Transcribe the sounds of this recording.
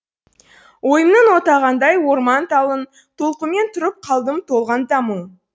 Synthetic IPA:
wojəmnənwot̪ɑʁɑnd̪ɑjwo̞ɾmɑnt̪ɑlˠən | t̪ʰolˠqəme̞nt̪ʰʊɾəp̚qʰɑlˠd̪əmt̪ʰo̞lˠʁɑnt̪ɑmu

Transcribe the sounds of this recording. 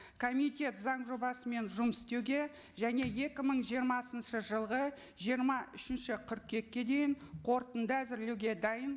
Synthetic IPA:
kʰo̞mit̪ʲe̞t̪zɑɴʒo̞bɑsəme̞nʒʊmɪst̪e̞wɡʲe̞ | ʒæne̞je̞kʲɪməɴʒijəɾmɑsənʃəʒəlˠʁə | ʒijəɾmɑʔʏʃɪnʃɪqʰʏɾk̚kʲe̞kʲːe̞d̪e̞jɪɴqʰo̞ɾt̪ənd̪əæzɪɾlewɡʲe̞d̪ɑjən

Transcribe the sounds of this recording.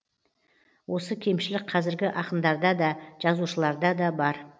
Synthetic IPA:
wʔo̞səkʲʰe̞mʃɪlɪk̚qʰɑzɪɾɡʲɪʔɑqənd̪ɑɾd̪ɑd̪ɑʒ̥ɑzuʃəlˠɑɾd̪ɑd̪ɑbɑɾ

